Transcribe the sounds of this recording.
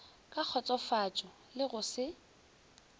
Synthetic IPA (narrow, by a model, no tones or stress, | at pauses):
kʼak͡xʰɔt͡sʼɔfat͡ʃʼɔ | lɪɣʊsɪ